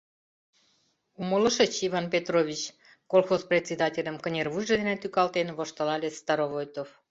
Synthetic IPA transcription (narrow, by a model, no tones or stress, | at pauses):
umələʃə̆t͡ɕiβɑnpʲet̪roβʲit͡ɕ | kolˠxosprʲetʲsʲed̪ɑtʲelʲəmkə̆nʲerβujʒed̪enet̪ykɑlt̪enβoʃt̪ɤlɑlʲest̪ɑɾoβojt̪of